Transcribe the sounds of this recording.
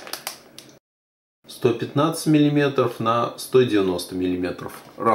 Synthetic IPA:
st̪opʲɪt̪nat̪sə̥tʲmʲɪlʲɪmʲe̞t̪ɾəfnəst̪odʲɪvʲɪno̞st̪əmʲɪlʲɪmʲe̞t̪ɾə̰fra

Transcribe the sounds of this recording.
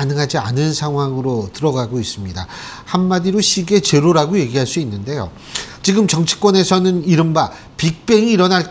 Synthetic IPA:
anɯŋɦad͡ʑia̰nɯnsʰaŋɦwaŋɯɾotɯɾʌɡaɡois͈ɯmɲida̰hamːadiɾoɕʰiɡe̞t͡ɕe̞ɾoɾaɡoje̞ɡiɦaɭs͈uinːɯnde̞jo̰ | t͡ɕiɡɯmt͡ɕʌŋt͡ɕʰi̥k͈wʌne̞sʰʌnɯniɾɯmba | pik̚p͈e̞ŋiːɾʌnaɭ

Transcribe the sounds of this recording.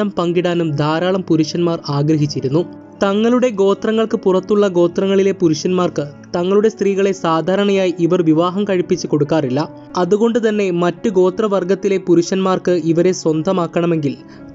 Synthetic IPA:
ɐmpɐŋɡiɽaːnumd̪ʱaːɾaːɭɐmpuɾuʂɐnmaːraːɡɾɐɦit͡ɕːiɾun̪ːu | t̪ɐŋːɐɭuɽe̞ɡo̞ːt̪rɐŋːɐɭkɨpurɐt̪ːuɭːɐɡo̞ːt̪rɐŋːɐɭile̞puɾuʂɐnmaːrkɨ | t̪ɐŋːɐɭuɽe̞st̪riːɣɐɭe̞saːd̪ʱaːɾɐɳɐjaːjiʔiʋɐrʋiʋaːɦɐmkɐɻipːit͡ɕːɨko̞ɽukːaːrilːɐ | ɐðuɣo̞ɳɖɨt̪ɐnːe̞mɐtːuɡo̞ːt̪rɐʋɐrɡɐt̪ːile̞puɾuʂɐnmaːrkɨiʋɐɾe̞swɐnd̪ʱɐmaːkːɐɳɐme̞ŋɡil

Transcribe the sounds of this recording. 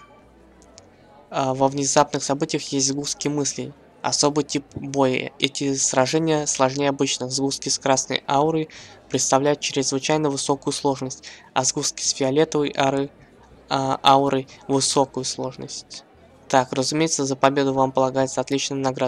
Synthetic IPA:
vəvnʲɪzapnɨxsɐbɨtʲɪjəxjesʲtʲzɡuskʲɪjmɨsʲlʲɪ̰ | ɐ̰so̞bɨjtʲip̚bojɪ̰ɛtʲɪsɾɐʐɛnʲɪjəslˠɐʐnʲejəɐbɨt͡ɕnɨzɡuskʲɪskɾasnə̰jaʊɾɨjpɾʲɪt̪st̪ɐvlʲæjʊt̪̚t͡ɕɪɾʲɪzvɨt͡ɕæjnəvɨso̞kʊjʊslˠo̞ʐnəsʲtʲ | ɐzɡuskʲɪ̥sfʲɪɐlʲe̞t̪əvəjʔaɾɨ | aʊɾʔɨjvɨso̞kʊjʊslˠo̞ʐnə̰sʲtʲ | t̪akrəzʊmʲejɪt̪səzəpɐbʲe̞d̪ʊvampəlˠɐɡajɪt̪səɐt̪lʲit͡ɕnəjənɐɡɾad̪

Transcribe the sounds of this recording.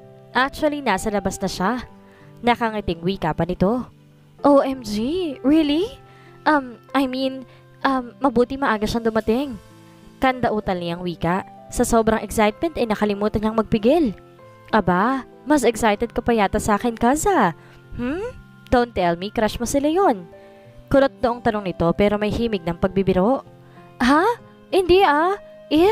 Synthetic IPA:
ʔak̚t͡ʃʊɐlinaːsɐlɐbasnɐʃa | nɐkɐŋɐt̪ɪŋwiːkɐpɐnɪt̪o̞ | ʔoʔɛmd͡ʒiɹili | ʔɐmʔɐjmin | ʔɐmːɐbuːt̪ɪmɐʔaːɡɐʃɐŋd̪ʊmɐt̪ɪŋ | kɐnd̪ɐʔuːt̪ɐlnɪɐŋwiːkɐʔ | sɐso̞ːbɾɐŋʔɛksajt̪̚mɛnt̪ɐjnɐkɐlɪmuːt̪ɐɲɐŋmɐɡ̚pɪɡɪl | ʔɐba | mɐsʔɛksajt̪ɛd̪̚kɐpɐjaːt̪ɐsaːkɛnkazɐ | hm̩ | d̪̥ont̪ːɛlmikɾaʃmɐsɪlajo̞n | koɾot̪̚d̪oʔoŋt̪ɐno̞ŋnɪt̪o̞pɛːɾo̞mɐjhiːmɪɡ̚nɐŋpɐɡ̚bibɪɾoʔ | ɦa | hɪnd̪iʔa | ʔɪ

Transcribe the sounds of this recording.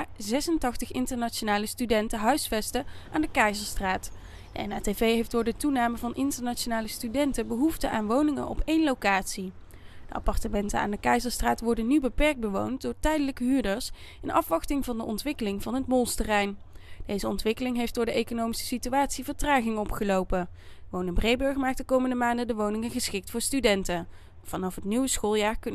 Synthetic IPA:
zɛsəntɑχtəχɪntəɹnaʃonaːləstydɛntəɦœɥsfɛstəʔaːndəkɛjzəɹstraːt | d̥ə̰ɛnaːtevejɦejfdʊːɹdətunaːməvɑnʔɪntəɹnat͡ʃonaːləstydɛntəbəɦuftəʔaːnʋownɪŋə̰nʔɔ̰pʰejnlowkaːtsi | d̥əʔɑ̰pɑrtəmɛntəa̰ːndəkɛjzəɹstraːtʋɔɹdənːybəpɛɹk̚bəʋo̰wn̚dʊːɹtɛjdələkəɦyːɹdəɹs | ɪnʔɑfʋɑχtɪŋvɑndəʔɔntʋɪkəlɪŋvɑnɦətmɔlˠstərɛjn | d̥ejzəɔntʋɪkəlɪŋɦejfdʊːɹdəʔejkonowmisə̥sityaːtsivəɹtraːχɪŋɔpχəlowpənʋownəbrejbɵɹχmaːk̚dəkowməndəmaːndədəʋownɪŋəχəsχɪk̚tfʊːɹstydɛntə | v̥ɑnɑfɦətnyʋəsχolˠjaːɹk

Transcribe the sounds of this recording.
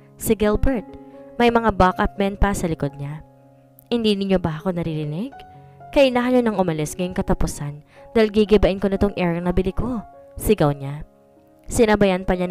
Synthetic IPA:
sɪɡɪlbɛɹt̪̚mɐjmɐŋabakʔɐp̚mɛnpaɾɐsɐlɪkod̪̚ɲa | hɪnd̪iːnɪɲːo̞baɐko̞nɐɾiɾɪnɪɡ̚kɐʔɪnahɐɲonɐŋʔʊmɐlɪsŋɐjo̞ŋkɐt̪ɐpʊsand̪aːhilɡiɡɪbɐʔɪnko̞nɪt̪o̞ŋʔɛɹɐnɐbɪlɪko̞sɪɡɐwɲa | sɪnɐbɐjanpɐɲan

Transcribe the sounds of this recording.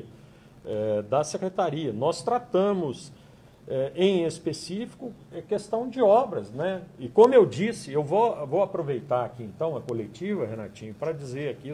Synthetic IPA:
ɛd̪ɐsekɾet̪aɾiɐnɔst̪ɾat̪ɐ̃mʊs | ɛʔẽj̃espesifi̥kʊɛkest̪ɐ̃w̃d͡ʒɪɔbɾɐsnɛɪkõmʊewd͡ʒisɪewvovowapɾovejt̪aɾakiẽnt̪ɐ̃w̃ɐkolet͡ʃivɐɦena̰t͡ʃĩɲʊpɾɐd͡ʒizeɾaki

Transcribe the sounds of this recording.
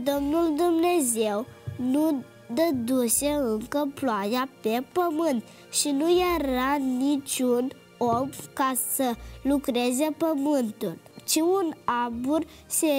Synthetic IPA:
d̪ɔmnuld̪umnezewnu | d̪əd̪useəŋkəplajapepəmənd̪ | ɕinujaɾanit͡ɕun | ɔbkasəlukɾed͡zepəmənt̪unt͡ɕiunabuɾ | se

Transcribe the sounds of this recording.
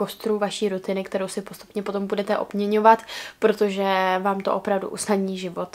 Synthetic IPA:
ko̞st̪ɾuvaʃiːɾut̪ɪnɪkt̪ɛɾowsɪpo̞st̪u̥pɲɛpo̞t̪o̞mbudɛt̪ɛʔo̞̰bmɲɛɲo̞vat̪pɾot̪o̞ʒɛvaːmt̪o̞ʔopɾavdṵʔusnadɲiːʒɪvo̞t̪

